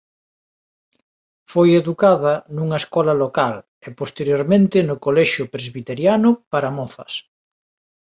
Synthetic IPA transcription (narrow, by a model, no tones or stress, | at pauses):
fojeðukaðɐnuŋɐeskɔlɐlokal | epost̪eɾjoɾmẽnt̪ɪnʊkolɛʃʊpɾezβit̪eɾjanʊpaɾamɔθɐ̰s